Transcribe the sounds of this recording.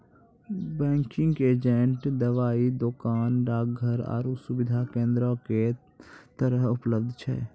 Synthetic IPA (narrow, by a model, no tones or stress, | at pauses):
bɛ̃ːŋkɪ̃ŋɡeːd͡ʒeɳʈd̪əʋaːid̪oːkaːnɾaːɡ̚ɡʱəɾɔ̰ːɾusʊbɪd̪ʱakẽːnd̪ɾoke | t̪əɾəɦʊpləb̚d̪ʱt͡ʃʰɛ̰ː